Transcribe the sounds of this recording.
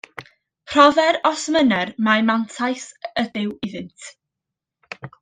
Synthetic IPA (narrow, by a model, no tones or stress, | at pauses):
pʰr̥ɔðɛɾɔsmənɛrmamantʰajsəbɪwɪðɨntʰ